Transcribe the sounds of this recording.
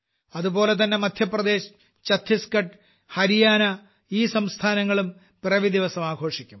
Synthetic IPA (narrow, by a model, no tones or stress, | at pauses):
ɐðubo̞ːle̞t̪̬ɐnːe̞mɐd̪ʱjɐprɐd̪e̞ːɕ | t͡ɕɐt̪ʰːiskɐʈ | hɐɾijaːnɐ | iːsɐmst̪ʰaːnɐŋːɐɭum | prɐʋid̪iʋɐsɐmaːɡʱo̞ːʂikʲːum